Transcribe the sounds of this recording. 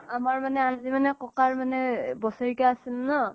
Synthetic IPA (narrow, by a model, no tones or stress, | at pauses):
amaɹmanɛazimanɛkɔkaɹmanɛbɔsɔɹikaasilnɔ